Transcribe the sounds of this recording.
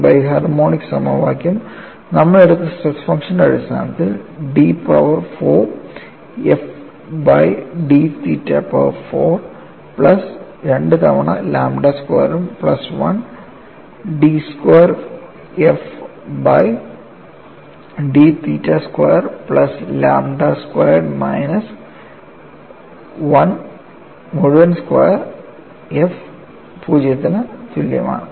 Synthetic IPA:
bɐjɦɐrmoːɳiksɐmɐʋa̰ːkʲːum | nɐmːɐɭeɽut̪ːɨsɐsfɐŋʂɐnɐɽist̪ʰa̰ːnɐt̪ːilɖiːpɐʋɐrfoː | ef | bɐjɖit̪iːtːɐ̰ːpɐʋɐɾfoːr | pɭɐsɾeɳɖɨt̪ɐʋɐɳɐlaːmɖaːskwḛːjɐɾumpɭɐsʋɐ̰n | ɖiskwɐjɐɾ | efbɐj | ɖit̪iːtːɐskwɐjɐɾplɐslaːmɖaskwɐjɐɾmɐjnɐs | ʋɐn | moɻuʋɐnskwɐjɐɾ | ef | puːd͡ʑet̪ːɐnɐt̪uljɐ̰ma̰ːɳɨ

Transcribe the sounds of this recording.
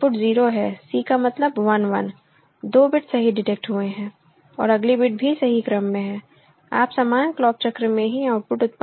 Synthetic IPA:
pʊʈziːɾoɦɛːsiːkamɐt̪ləbʋɐnʋɐ̰n | d̪oːbɪʈsɐɦiɖɪʈeːk̚ʈɦueɦɛ̃ː | ɔ̰ːɾɐɡlibɪʈ̚bʱisɐɦikɾəmːẽɦɛ̃ː | a̰ːpsaːmaːnklɔːp̚t͡ʃɐkɾmẽɦiaːʊʈ̚pʊʈʊt̪̚p

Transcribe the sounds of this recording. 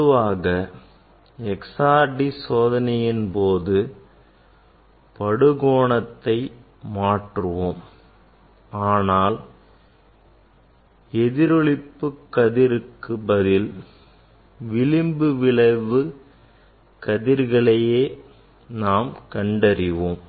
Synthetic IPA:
ɯʋaːɣɐ | ɛksaːɖisoːðɐnɐjɪnpoːðɯ | pɐɽɯɣoːɳɐt̪ːɐɪ | maːʈrɯʋoːm | aːnaːl | ɛðɪɾɔɭɪpːɯkːɐðɪɾɯkːɯbɐðɪl | ʋɪlɪmbɯʋɪɭɐɪʋɯ | kɐðɪɾɣɐɭɐjeː | naːmkɐɳɖɐɾɪʋoːm

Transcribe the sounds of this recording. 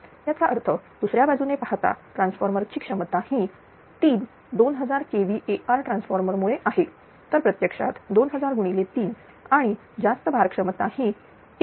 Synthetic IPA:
jat͡saʔəɾt̪ʰəd̪̥usɾjabad͡zunepaɦt̪a̰ʈɾãnsfəɾməɾt͡ɕiːkʂəmət̪ahi | t̪iːn | d̪onɦəd͡zaɾkeʋiːʔeʔaɾʈɾãnsfəɾməɾmuɭeʔaɦe | t̪əɾpɾət̪jəkʂa̰t̪d̪onɦəd͡zaɾɡuɽ̃ilet̪iːn | aɽ̃i | d͡zast̪əbʱaɾkʂəmət̪ahi

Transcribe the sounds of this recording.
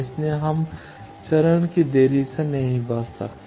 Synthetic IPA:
ɪsneɦəm | t͡ʃɐɾəɳkid̪eːɾisẽnɐɦĩbəssɐ̰kt̪

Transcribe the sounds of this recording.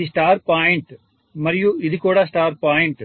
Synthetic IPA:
isʈaːɾpaːjɪɳʈ | mɐɾɪjũɪðɯkːuːɽɐsʈaːɾpaːjɪɳʈ

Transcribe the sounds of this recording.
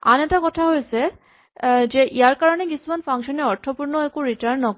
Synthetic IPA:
a̰nɛʈakɔtʰaɦojet͡ɕʰe | d͡ʑeʔijaɾkaɾonekisumanfaŋʃɔneɔɾt̪ʰopuɾnoɛkuɾiʈaɾnːɔk

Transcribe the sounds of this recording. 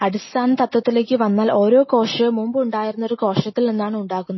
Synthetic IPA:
ɐɽist̪ʰaːnɐt̪ɐt̪ːwɐt̪ːile̞ːkʲːɨʋɐnːaːlo̞ːɾo̞ːko̞ːʂɐmumbɨuɳɖaːjiɾunːɐo̞ɾuko̞ːʂɐt̪ːilninːaːɳɨuɳɖaːɣunːu

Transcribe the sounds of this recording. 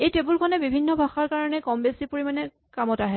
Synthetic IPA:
ejtebulkʰɔnɛbibʱinːɔbʱaxaɹkaɹɔnɛkɔmbesipoɹimanɛ | kamɔtaɦɛ

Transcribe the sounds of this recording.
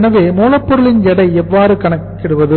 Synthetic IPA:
nɐʋeːmoːlɐpːɔɾɯɭɪnjɛɽɐɪɛʋːaːɾɯkɐɳɐkːɪɽɯʋɐðɯ

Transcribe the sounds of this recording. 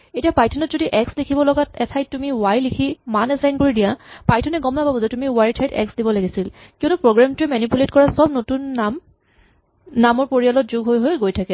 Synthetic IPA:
etiapajtʰɔnɔtzodiʔɛkslikʰibɔlɔɡatɛtʰajtːumiwajlikʰimanɛzajnkoɹidijapajtʰɔnɛɡɔmnapabɔzɛtumiwajtʰajtɛ̰ksdibɔlaɡisilkionupɹoɡɹamtʊɛmɛnipuletkɔɹasɔb̚notunam | namɔɹpoɹijalɔt̚zuɡʱɦojɦojɡojtʰakɛ

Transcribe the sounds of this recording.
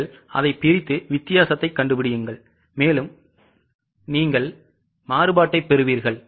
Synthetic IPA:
ɭʔɐ̰ðɐɪpːɪɾɪt̪ːɯʋɪt̪ːɪjaːsɐt̪ːɐɪkːɐɳɖɯpɪɽɪjɯŋɡɐɭ | meːlɯm | niːŋɡɐɭ | maːɾɯbaːʈːɐɪpːɛɾɯʋiːɾɣɐɭ

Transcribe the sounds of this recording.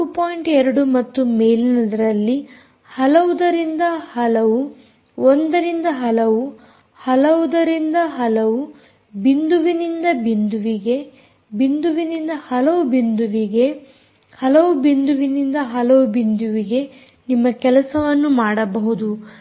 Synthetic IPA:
upoːjiɳʈɛɾɐɽumɐt̪ːumeːlinɐd̪ɐɾɐlːi | hɐlɐʋud̪ɐɾind̪ɐhɐlɐʋu | ond̪ɐɾind̪ɐɦɐlɐʋu | hɐlɐʋud̪ɐɾind̪ɐɦɐlɐʋu | bind̪uʋinind̪ɐbind̪uʋiɡe̞ | bind̪uʋinind̪ɐhɐlɐʋubind̪uʋiɡe̞ | hɐlɐʋubind̪uʋinind̪ɐɦɐlɐʋubind̪uʋiɡe̞ | nimːɐkɛlɐsɐʋɐnːumaːɽɐbɐɦud̪u

